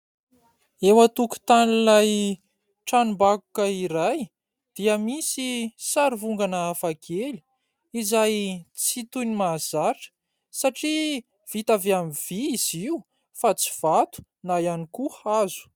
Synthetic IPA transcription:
ewət̪uku̥t̪anilaj | ʈ͡ʂanumbaku̥kəiɾaj | d̪̥iəmisisaɾivuŋɡanəːfakʰeli̥ | izajt͡sit̪unimaz̥aɾʈ͡ʂə̥ | saʈ͡ʂi | v̥it̪aveamiv̥iːz̥iu | fat͡si̥v̥at̪u̥ | najanikuazu̥

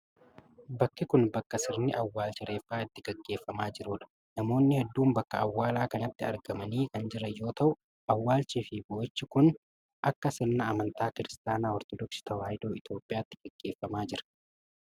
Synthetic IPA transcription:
bɐkːɪkʊnbɐkːɐsɪɾnɪʔɐwːaːlt͡ʃɪɾe̞ːfːaːɪt̪ːɪɡɐɡːe̞ːfːɐmaːd͡ʒɪɾuᶑɐ̥ | nɐmo̞ːnːɪhɛd̪ːuːmbɐkːɐɐwːaːlaːkɐnɐt̪ːɪɐ̰ɾɡɐmɐniːkɐnd͡ʒɪɾɐjo̞ːt̪ɐʔʊ | ɐwːaːlt͡ʃiːfɪboːt͡ʃːɪkʊn | ʔɐkːɐsɪɾnɐːmɐnt̪aːkɪɾɪst̪aːnaːɔɾt̪ɔd̪ɔksɪ̥t̪ɐwaːjd̪oːɪt̪jo̞ːpʼːɪjaːt̪ːɪɡ̥ɐɡ̥ːe̞ːfːɐmaːd͡ʒɪɾɐ̥

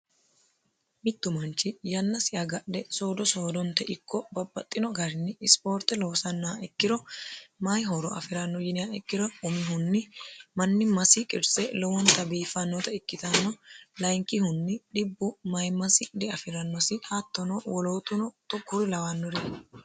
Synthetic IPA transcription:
mɪt̪ːʊmɐnt͡ʃːɪjɐnːɐsɪʔɐɡɐɗdɛsoːd̪ɔsoːd̪ɔnt̪ɛʔɪkʰːɔbɐbːɐt̪ʼːɪnɔɡɐɾɪnːɪɪspo̞ːɾt̪ːɛloːsɐnːaɛkːɪɾɔmɐjɦɔɾɔʔɐ̰fɪɾɐnːɔjɪnɪjaɛkːɪɾɔʊmɪhʊnːɪmɐnːɪmɐsɪkʼɪɾsɛlɔwɔnt̪ɐbiːfɐnːɔt̪ɐɪkːɪt̪ɐnːɔlɐjŋkːɪhʊnːɪɗɪbːʊmɐjmɐsɪd̪ɛɐfɪɾɐnːɔsɪhɐt̪ːɔnɔwɔloːt̪ʊnɔt̪ʊkːʊɾɪlɐwanːɔɾɪ

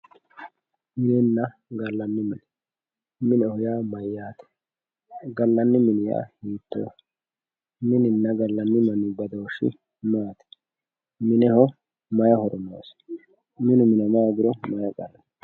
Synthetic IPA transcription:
mɪnɛnːɐ | ɡɐlːɐnːɪmɪn | mɪnɛhɔjaːmɐjːaːt̪ɛ̥ | ɡɐlːɐnːɪmɪnɪja̰ːhiːt̪ːo̰ː | mɪnɪnːɐɡɐlːɐnːɪmɐnːɪbɐd̪oːʃːɪ̰ | maːt̪ɛ̥ | mɪnɛhɔ | mɐjɐhɔɾɔmo̰ːs | mɪnʊmɪnɐmaːɡɪɾɔmɐjɐɡɐɾɐn

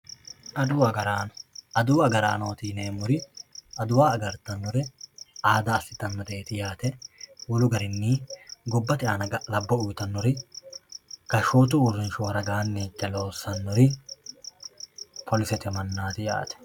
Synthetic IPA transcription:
ʔɐd̪uːɐɡɐɾaːnɔ̥ʔɐd̪uːɐɡɐɾaːno̞ːt̪iːneːmɔɾɪɐd̪ʊwaːɐɡɐɾt̪ɐnːɔɾɪaːd̪aːsɪ̥t̪ːɐnːɐd̪eːt̪ɪjaːt̪ɛwɔlʊɡɐɾɪnːiːɡɔbːɐt̪ɪaːnɐɡɐlɐbːɐʊjt̪ɐnːɔɾɪ | ɡ̥ɐʃoːt̪̬ʊːrːɪnʃʊwɐɾɐɡaːnːiːt͡ʃʼːɛlo̞ːsɐnːɔɾɪ | pʰɔlɪsɛt̪ɛmɐnːaːt̪ɪja̰ːt̪ɛ̥

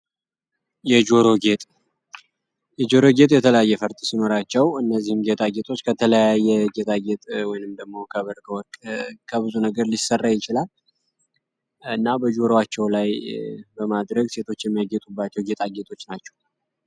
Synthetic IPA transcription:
jɛd͡ʒo̞ɾoɡet̪ʼ | jɛd͡ʒo̞ɾo̞ɡe̞t̪ʼjɛt̪ʰələjajːɛfəɾt̪ʼisino̞ɾat͡ʃːɛwɨnːəzːihɨmɡet̪ʼaɡet̪ʰʼo̞t͡ʃːkʰət̪ʰələjajːɛɡe̞t̪ʼaɡet̪ʼwɔjnɨmd̪əɡmo̞kʰəβəɾkʰəwɔkʼkʰəβɨzunəɡəɾlisərːajɪt͡ʃɪlal | ɨnːabəd͡ʒo̞ɾwat͡ʃːɛwlajbəmad̪ɾəɡse̞t̪ʰo̞t͡ʃːjɛmːijaɡɛt̪ʼubːat͡ʃːɛwɡe̞t̪ʼaɡe̞t̪ʰʼo̞t͡ʃːnat͡ʃːɛ̥w

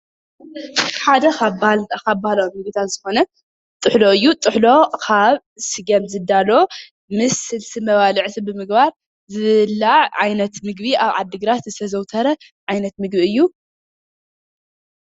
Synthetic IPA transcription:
ħad̪ɐkabkabahlɐmɨɡ̚bit̪ʰat̪z̥ɨxo̞nɐ | t̪ʼɨħloɨjːut̪ʼɨħlo̞kʰaβ | sɨɡɐmzɨd̪ːalo | mɨsːɨlsimɐβalɨʕt̪ʰibɨmɨɡbaɾ | zɨlːaʕʕajnɐt̪mɨɡbiʔaβʕa̰d̪ːɨɡɾat̪zɨt̪ʰɐzɐwt̪ʰɐɾɐ | ʕajnɐt̪mɨɡbiɨjːu

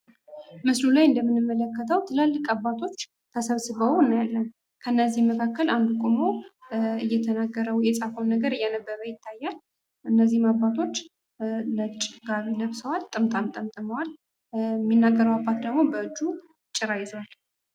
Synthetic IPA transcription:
mɨslulajɨnd̪əmːɨnɨmːələkːət̪ʰəwt̪ʰɨlalːɨkʼabːat̪ʰo̞t͡ʃː | t̪ʰəsəβsɨβəwnːajalːən | kʰəɨnːəzːihməkʰakːəland̪ukʼomoɨjːɛt̪ʰənaɡːəɾəwjɛsʼafəwnːəɡəɾɨjːɛnəbːəɾəjɪt̪ʰːajːal | ʔɨnːəzːihmabːat̪ʰo̞t͡ʃː | lət͡ʃʼːɡaβləβsəwalt̪ʼɨmt̪ʼamt̪ʼəmt̪ʼɨməwal | mːinːaɡːəɾəwabːat̪d̪əɡmo̞bəɨd͡ʒːu | t͡ʃʼːɪɾajɪzəwal

